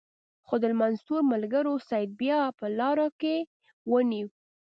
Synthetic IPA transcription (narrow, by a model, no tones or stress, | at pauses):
xod̪əlmanzt̪uɾmalɡəɾosajd̪̚bjɑpəlɑɾake | wəniw